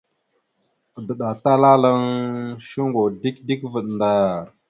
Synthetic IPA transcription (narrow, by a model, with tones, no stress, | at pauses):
də˨ɗa˨ta˦la˦la˦ŋʃu˦ŋɡo˨di˦k̚di˦kvə˨ɗnda˦ɾ